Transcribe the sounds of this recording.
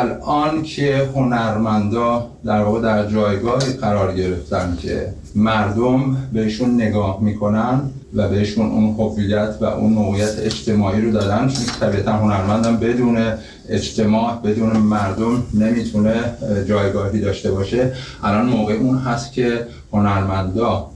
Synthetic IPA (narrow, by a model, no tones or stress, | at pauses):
ælɒːncʰe̞ho̞næɾmænd̪ɒːd̪̥æɾvɒːɣe̞d̪æɾd͡ʒɒːjɡɒːhiːɢæɾɒːɾɟe̞ɾe̞ft̪ænd̪cʲʰe̞̰ | mæɾd̪ombe̞hiːʃunːe̞ɡɒːhmiːkʰo̞nænd̪ | væbe̞iːʃunʔṵnhovːijæt̪ʰvæ̰ʔṵnmoːɣejæt̪ʰeed͡ʒt̪ʰe̞mɒːʔiːɾod̪ɒːd̪ænt͡ʃʰonkʰe̥t̪ʰæbiːæt̪ʰænɦo̞næɾmænd̪æmbe̞d̪uːne̞ | ed͡ʒt̪ʰe̞mɒːʔbe̞d̪uːne̞mæɾd̪omne̞miːt̪ʰune̞d͡ʒɒːjɡɒːɦiːd̪ɒːʃt̪e̞bɒːʃe̞ʔælɒnmoːɣe̞uːnɦæst̪cʲʰe̞ | ho̞næɾmænd̪ɒː